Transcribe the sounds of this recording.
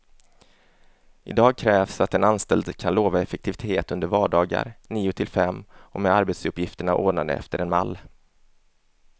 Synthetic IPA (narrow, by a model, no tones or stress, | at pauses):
ʔɪ̰d̪ɑːɡ̚kʰɾɛːvsat̪ɛnanst̪ɛld̪kʰanloːvaɛfɛkt̪ʰɪvɪt̪ʰeːt̪ɵnd̪əɾvɑːɖɑːɡa̰ɾniːʊt̪ʰɪlfɛmːɔmɛd̪aɾbeːt̪sɵpːjɪft̪əɳaʔo̰ːnad̪ə̰ɛ̰ft̪əɾɛnmalː